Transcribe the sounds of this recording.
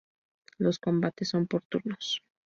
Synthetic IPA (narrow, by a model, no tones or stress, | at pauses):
lo̞sko̞mbat̪e̞sːo̞mpoɾt̪unos